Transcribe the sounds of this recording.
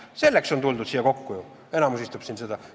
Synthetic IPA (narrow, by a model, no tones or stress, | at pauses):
se̞lːe̞kso̞nt̪uld̪ud̪̥siːjːɑko̞kːuju | e̞nɑmus̬ist̪upsinsed̪ɑ